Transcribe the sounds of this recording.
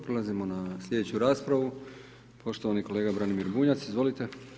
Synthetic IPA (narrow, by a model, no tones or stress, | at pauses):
pɾelazimo̞naslʲʎʲe̞d̪et͡ɕuɾaːspɾaʋu | pʰo̞ʃt̪oʋaniko̞le̞ːɡabɾanimiɾbuɲat̪sizʋo̞lit̪e̞